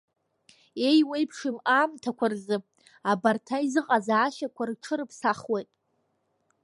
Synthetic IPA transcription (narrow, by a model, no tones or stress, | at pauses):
e̞jwejpʰʂɨmaːmtʰakʷʰarzɨ | abartʰaizɨqʼazaaʃakʷʰarʈ͡ʂʰɨɾɨpʰsaχwejtʼ